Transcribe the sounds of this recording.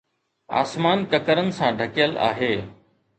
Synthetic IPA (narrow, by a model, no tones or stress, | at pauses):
a̰ːsmaːnkəkəɾənɪ̆sãɖʱəkjəla̰ːɦeː